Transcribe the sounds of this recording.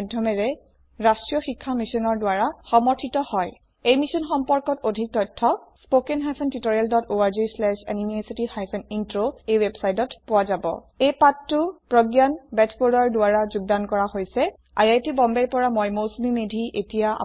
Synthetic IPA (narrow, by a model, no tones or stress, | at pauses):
dʱɔmɛɹɛ | ɹastɹijɔxikʰːamisɔnɔɹdʊaɹaxɔmɔɹtʰitɔhɔj | ejmisɔnxɔmpɔɹkɔtodʱik̚tɔtʰːɔspokɛnɦajpʰɛntitoɹialdɔtoaɹzislɛʃɛ̰nimiositihajpʰɛnintɹoejwebsajtɔtpʊwazabɔ̰ | ejpatːuʊpɹɔɡjanbɛtʰbodɔɹdʊaɹazuɡ̚dankɔɹahojsɛ | a̰jajtibɔmbɛɹpɔɹamɔjmosmimedʱiʔetijaa̰